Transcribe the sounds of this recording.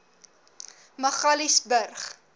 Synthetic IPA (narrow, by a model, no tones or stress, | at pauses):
məχɐlisbərχ